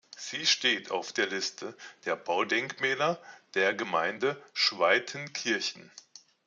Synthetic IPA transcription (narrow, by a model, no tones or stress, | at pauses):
z̥iːʃteːtʰa̰ʊfd̥eːɐlɪstʰəd̥eːɐbaʊdɛŋkmɛːlɐd̥eːɐɡəmaɪndəʃv̥aɪtʰənkʰɪɐçn̩